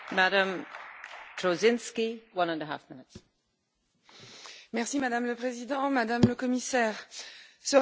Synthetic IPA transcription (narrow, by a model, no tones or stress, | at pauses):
maɾə̃m | tʰɹozɪ̃nskiwʌ̃nə̃ndəɦa̰fmɪnɪts | mɛʁsimad̪amləpχezid̪ɑ̃mad̪amləkɔmisɛːʁsə